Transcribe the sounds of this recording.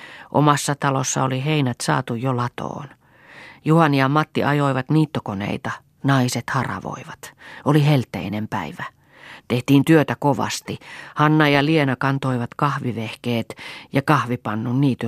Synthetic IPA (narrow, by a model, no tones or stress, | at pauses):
ʔo̰mɑsːɑt̪ɑlosːɑ̰oliɦeinæt̪sɑ̰ːt̪ujjolɑt̪o̰ːn | juhɑniɑmːɑt̪ːḭʔɑjoiʋɑt̪niːt̪ːokonḛit̪ɑ | nɑiset̪hɑrɑ̰ʋo̰iʋɑt̪olihelt̪ːḛinempæ̰iʋæ | t̪eht̪iːnt̪yøt̪ækoʋɑ̰st̪ihɑnːɑjɑlienɑkɑnt̪oiʋɑt̪kɑhʋiʋehkeːt̪jɑkɑhʋipɑnːunniːt̪y